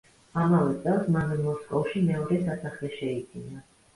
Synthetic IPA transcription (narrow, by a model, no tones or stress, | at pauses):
amavɛt̪sʼɛlˠsmamɛmɔskʼɔfʃimɛɔɾɛsasaχlɛʃɛid̪zina